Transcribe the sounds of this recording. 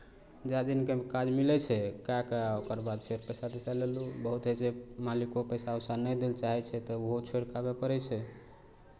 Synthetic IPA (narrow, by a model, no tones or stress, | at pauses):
d͡ʒad̪inkekad͡ʒmilɛt͡ʃʰɛkakəokəɾbad̪pʰeɾpəjsad̪esalelubəɦut̪ɦet͡ʃemalikopəjsaəsanəjd̪elt͡ʃaɦɛt͡ʃʰɛt̪ɔuɦot͡ʃʰoɾkabepəɾɛt͡ʃʰɛ